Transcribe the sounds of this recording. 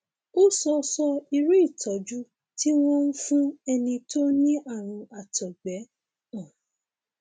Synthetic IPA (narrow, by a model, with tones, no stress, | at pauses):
o˦sɔ˧sɔ˧i˧ɾu˦i˦˨tʰɔ˨˦d͡ʒu˦ | ti˦w̃ɔ̃˦n̩˦fũ˦ɛ˧nĩ˧to˦nĩ˦ʔa˦˨ɾ̃ũ˧a˨tɔ˨ɡ͡bɛ˨˦ | ɔ̃˦˨